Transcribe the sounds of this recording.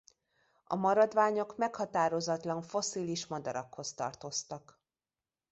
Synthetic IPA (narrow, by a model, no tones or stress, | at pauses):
ɒ̰mɒɾɒd̪ʋaːɲo̞kmɛkhɒt̪aːɾo̞zɒt̪lɒɱfo̞siliʃmɒd̪ɒɾɒkho̞st̪ɒ̰rt̪o̞st̪ɒk